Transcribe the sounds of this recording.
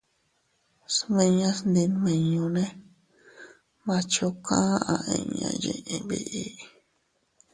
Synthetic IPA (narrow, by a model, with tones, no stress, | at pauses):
smẽ˧ɲã˧snd̪i˧n˧mẽ˧ɲũ˧nẽ˦ | mã˧t͡ʃo˧kã˦ã˧ʔẽ˧ɲã̰˧jḛ̃˧ʔẽ˧βi˦˧ʔi˦